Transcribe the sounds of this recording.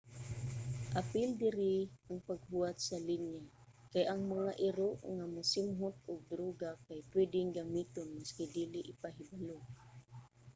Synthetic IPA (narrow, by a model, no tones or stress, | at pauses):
ʔapɪld̪ɪɾɪaŋpaɡ̚huat̪salinjakajʔaŋmaŋaʔɪɾoʔŋamʊsɪmɦʊt̪̚ʊɡ̚d̪ɾuːɡakajpwɛd̪ɪŋɡamiːt̪onmaskɪd̪iːlɪʔɪpaɦɪbalʊ